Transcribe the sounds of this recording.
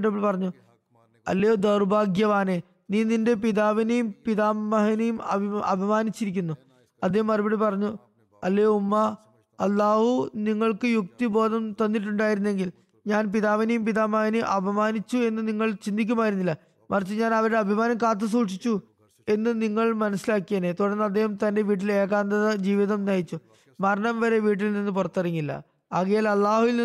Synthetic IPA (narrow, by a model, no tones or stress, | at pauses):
ʈɐɭpɐrɐɲːu | ɐ̰lːejod̪ɐrbʱaːɡjɐʋaːne | niːninde̞piðaːʋinejumpiðaːmːɐɦɐnejumɐ̰iɐ̰bʱɐmaːnit͡ɕːiɾik̬ʲːunːu | ɐðejmːɐribiɽipɐrɐɲːu | ɐlːejoumːɐ | ɐlːaːhuniŋːɐɭkɨjuk̚t̪ibo̞ːðɐmt̪ɐnːiʈ̬ːuɳɖaːjiɾunːe̞ŋɡil | ɲaːnpiðaːʋinɐjumpiðaːmaːniʔɐbʱɐmaːnit͡ɕːue̞nːɨniŋːɐɭt͡ɕind̪ʱik̬ʲːumaːjiɾunːilːɐ | mɐrt͡ɕːɨɲaːnɐʋɐɾuɽeɐbʱimaːnɐmkaːt̪̬ːɐs̬uːʂit͡ɕːu | e̞nːɨniŋːɐɭmɐnɐsilaːkːijɐnet̪uɽɐrnːɐd̪ːeɦɐmt̪ɐnde̞ʋiːʈ̬ːile̞ːɣaːnd̪ɐðɐd͡ʑiːʋiðɐmnɐːjit͡ɕːu | mɐɾɐɳɐmʋɐɾe̞ʋiːʈ̬ːilninːɨpurɐt̪ːɐriŋːilːɐ̰ | ɐɣɐjaːlɐlːaːhuʋilni